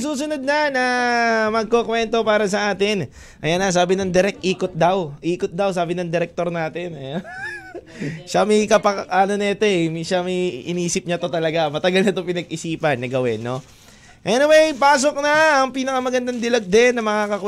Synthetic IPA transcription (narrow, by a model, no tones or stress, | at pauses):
suːsʊnod̪̚nɐnɐmɐɡ̚kokwɛnt̪o̞paːɾɐsɐʔaːt̪ɪn | ʔɐjanɐs̬aːbɪnɐŋd̪ɛɾɛk̚t̪ʔiːkot̪̚d̪awʔiːkot̪̚d̪aws̬aːbɪnɐŋd̪ɛɾɛk̚t̪oɾnaːt̪ɛnɐjon | ʃamɐjkɐpɐaːnonɐɐt̪oɛmʃamɐjʔɪ̰niːsɪp̚ɲat̪o̞t̪ɐlɐɡamɐt̪ɐɡalnɐt̪opɪnɐɡʔɪsiːpɐnːɐɡɐwɛnːo̞ | ʔɛnɪwejpaːs̬o̞k̚nɐɐŋpiːnɐkɐmɐɡɐnd̪ɐŋd̪ɪlɐɡ̚d̪ɛnːɐmɐŋakɐkw